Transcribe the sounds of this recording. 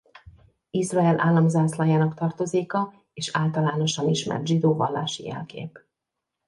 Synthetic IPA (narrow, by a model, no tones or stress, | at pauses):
izrɒɛlʔa̰ːlːɒmzaːslɒjaːnɒkt̪ɒrt̪o̞zeːkɒ | eːʃaːlt̪ɒlaːno̞ʃɒniʃmɛ̰rt̪ʒid̪oːvɒlːa̰ːʃḭjɛ̰lkḛːp